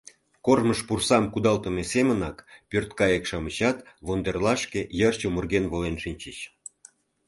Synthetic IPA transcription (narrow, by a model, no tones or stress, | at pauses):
korməʃpursɑmkud̪ɑlt̪ə̆mesemənɑkpʲørt̪kɑjəkʃɑmət͡ɕɑt̪βond̪erlɑʃkejərt͡ɕomurɣenβolenʃinʲt͡ɕət͡ɕ